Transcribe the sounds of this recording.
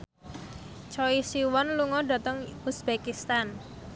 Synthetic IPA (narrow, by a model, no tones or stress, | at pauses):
t͡ʃɔisiwɔnluŋɔɖa̤t̪əŋusb̥ekist̪an